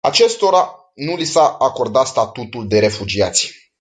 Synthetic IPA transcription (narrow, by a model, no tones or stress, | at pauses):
a̰t͡ʃe̞st̪o̞ɾa | nulisaːko̞rd̪at̪st̪at̪ut̪uld̪e̞ɾe̞fud͡ʒia̰t̪sʲ